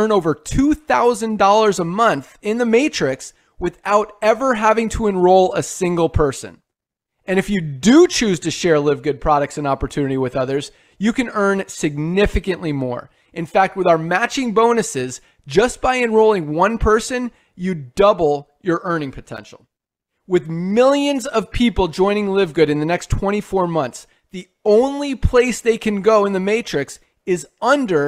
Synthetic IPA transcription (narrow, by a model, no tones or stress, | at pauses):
noʊvə˞tʰuθaʊzɨ̃ndɔlˠə˞zəmʌ̃nθɪ̃nðɨmeɪt͡ʃɹ̥ɪks | wɨðaʊɾɛvə˞ɦævɪ̃ŋtʰəɨ̃nɹoʊlˠəsɪ̃ŋɡl̩ˠpʰɜ˞sɨ̰̃n | ɨ̃nɨfjɨdɨt͡ʃʰʉz̥tʰɨʃɛɹlɪvɡʊd̚pʰɹ̥ɑɾɨk̚tsɨ̃nɑpə˞tʰʉnɨɾiwɨðʌðə˞z | jɨkɨ̃nɜ̃˞nsɨɡ̚nɪfɨkɨ̃nʔlimɔ̰ɹ | ʔɨ̃nfæk̚t̚wəðaʊə˞mæt͡ʃɪ̃ŋbõʊ̃nɨsɪz | d͡ʒʌsb̥aɪɨ̃nɹoʊlˠɪ̃ŋwʌ̃npʰɜ˞sɨ̃n | jɨdʌbl̩ˠjə˞ʔɜ̃˞nɪ̃ŋpʰɨtʰɛ̰̃nʃl̩ˠ | wɨðmɪlˠjɨ̃nzʌv̥pʰipl̩ˠd͡ʒɔ̃ɪ̃ñɪ̃ŋlɪvɡʊɾɨ̃nðɨnɛkstʰw̥ɛ̃ɾ̃ifɔɹmʌ̃nθs | ði | õʊ̃nlipʰl̥eɪsðeɪkʰɨ̃nɡoʊə̃nðɨmeɪt͡ʃɹ̥ɨks | ɪzʌ̃ndə˞